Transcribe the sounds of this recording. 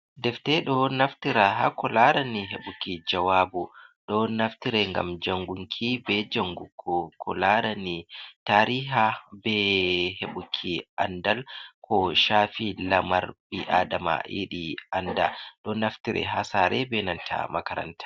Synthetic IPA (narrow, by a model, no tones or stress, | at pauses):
dɛftɛɗɔnaftiɾaɦa̰kɔlaɾaniɦeɓukid͡ʒawaːbuɗɔnaftiɾɛŋɡa̰md͡ʒaŋɡuŋkʰibɛd͡ʒaŋɡukʰːɔkʰɔlaɾanitaːɾiːɦabɛheɓukʰiʔandalkʰɔʃaːfilamaɾɓiʔaːdama̰ḭɗiandaɗɔnaftiɾɛ̰ɦasaːɾɛbɛnantʰa̰ma̰kaɾa̰ntʰḁ